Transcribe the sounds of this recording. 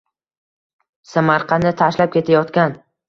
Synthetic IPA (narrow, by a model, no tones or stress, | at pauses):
samaɾqʰɑnɪt̪ʰaʃlap̚kʲe̞t̪ʰajɒt̪kʲan